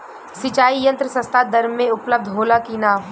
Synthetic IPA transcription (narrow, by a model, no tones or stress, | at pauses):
sɪt͡ʃaːijɐ̃nt̪ɾəsɐ̃st̪ʰad̪ɐɾmːẽʊpləb̚d̪ʱɦoːlakiːnaː